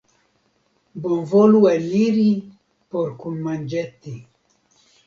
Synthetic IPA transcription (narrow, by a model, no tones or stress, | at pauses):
bonvɔluɛliɾi | pɔɾkunmand͡ʒɛt̪ːi